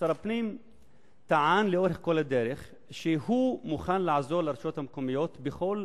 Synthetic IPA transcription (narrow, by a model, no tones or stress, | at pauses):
aɾapnim | t̪aʕanleo̞ɾeχko̞lad̪eɾeχ | ʃehumuχanlaʕzoʁlaɾʃot̪hamkomijo̞t̪beχo̞l